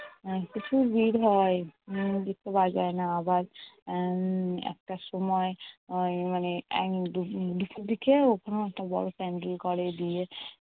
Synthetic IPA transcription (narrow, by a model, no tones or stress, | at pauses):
kit͡ʃʰubʱiɾɦɔed͡ʒit̪ːebad͡ʑaenaabaɾ | ɛ̰k̚ʈaʃɔmɔejmaneɛ̰kdud̪upʰuɾd̪ikeokʰonoɛkʈabɔ̰ɽopɛɳɖilkɔɾed̪ie